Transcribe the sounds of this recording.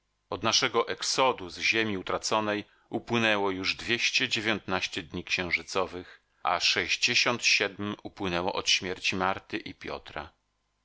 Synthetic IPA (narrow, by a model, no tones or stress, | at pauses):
ɔd̪naʂɛɡɔʔɛksɔd̪uzʑemʲiut̪ɾat̪sɔnɛj | upwɘnɛwɔjuʐd̪vʲjeɕt͡ɕɛd͡ʑevʲjɔnt̪naɕt͡ɕɛd̪ɲikɕɛ̃w̃ʐɘt̪sɔvɘx | ʔa̰ʂɛʑd͡ʑeɕɔnt̪ɕɛd̪mupwɘnɛwɔʔɔt̪ɕmʲjɛɾt͡ɕimaɾt̪ɘʔipʲjɔ̰t̪ɾa̰